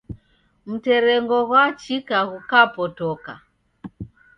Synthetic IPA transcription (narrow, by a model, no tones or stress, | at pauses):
m̩tɛɾɛŋɡɔɣwat͡ʃikaɣukapɔtɔka̰